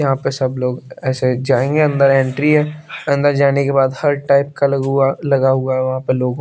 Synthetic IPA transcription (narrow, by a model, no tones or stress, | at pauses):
jɐɦãpesɐbloːɡɛːsed͡ʒaːẽːŋɡeɐ̃nd̪əɾɛ̃ːɳʈɾiɦɛːɐ̃nd̪əɾd͡ʒaːnekebaːd̪hɐɾʈaːɪp̚kaalɐɡaɦuaɦɛʋɐɦãpeloːɡ